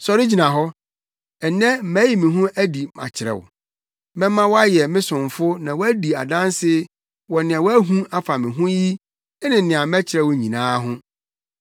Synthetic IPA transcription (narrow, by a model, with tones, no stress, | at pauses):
sɔ˨ɾɪ˦d͡ʑi˨nã˨ɦɔ˦ | ɛ˨nɛ̃˦mæ˨˦ji˦mɪ̃˨ɦʊ̃˦ʔæ˦di˨mã̰˨t͡ɕʰɪ˨ɾɛ̰˨w̰ | mɛ̃˦mːã˦wɔ˦a˦jɛ˨mɪ̃˦sʊ̃˨ɱfʊ˦nã˨wɔ˦æ˦di˨a̰˨dã˦n˦sɪ˦ | wɔ˨nɪ̃˨ã˨wæ˦ɦũ˦a˦fa˨mɪ̃˨ɦʊ̃˦ji˦ | nɪ̃˨nɪ̃˨ã˨mɛ˦t͡ɕʰɪ˨ɾɛ˨wɲĩ˨nãː˦ɦʊ̃˦